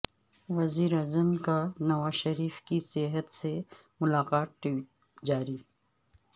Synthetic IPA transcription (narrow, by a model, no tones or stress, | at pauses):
ʋɐziːɾaːzəmkanɐwaːʃɐɾiːfkiseɦət̪se | mʊlaːqaːt̪̚ːi | d͡ʒaːɾiː